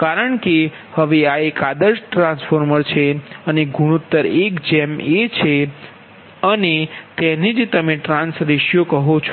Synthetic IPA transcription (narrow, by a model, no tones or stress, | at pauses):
kaɾəɳke | həʋeaekad̪əɾsʈɾãnsfoɾməɾt͡ʃʰeəneɡʱuɽ̃ut̪ːəɾekd͡ʒɛmet͡ʃʰe | ənet̪ɛned͡ʒt̪əmeʈɾãnsɾɪʃjokəɦõt͡ʃʰ